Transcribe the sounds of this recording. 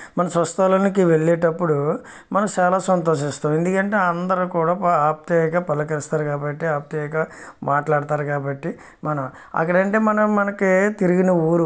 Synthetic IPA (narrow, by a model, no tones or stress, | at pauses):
mɐnɐsɾɐst̪ɐloːnikiʋe̞ɭːɛːʈɐpːuɽu | mɐnɐmt͡ʃaːlaːsɐnt̪̬o̞ːʂist̪aːme̞nd̪ukɐɳʈe̞ːɐnd̪ɐɾukuːɽaːaːp̚t̪eɡaːpɐlːɐkɐlist̪aːɾukaːbɐʈːiaːp̚t̪ekaːmaːʈlaːɽit̪aːɾukaːbɐʈːi | mɐnɐm | ɐ̰kːɐɽɐɳʈe̞ːmɐnɐmːɐnɐkit̪iɾiɡinɐuːɾu